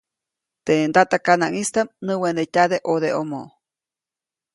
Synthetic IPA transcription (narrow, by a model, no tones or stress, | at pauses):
t̪end̪at̪akanaŋist̪amnɨwend̪etʲad̪eʔod̪eʔomoʔ